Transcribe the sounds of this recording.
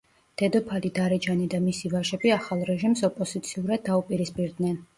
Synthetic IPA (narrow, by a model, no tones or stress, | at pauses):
d̪̥ɛd̪ɔpʰalid̪aɾɛd͡ʒanid̪amisivaʃɛbiaχalˠɾɛʒimsɔpʼɔz̥it̪sʰiuɾad̪ːaupʼiɾispʼiɾd̪nɛn